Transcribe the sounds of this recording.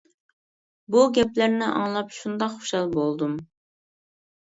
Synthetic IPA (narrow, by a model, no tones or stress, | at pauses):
buɡʲɛplæɾnɪʔɑ̰ŋlˠɑpʃund̪ɑqχʊ̥ʃɑlˠbolˠd̪um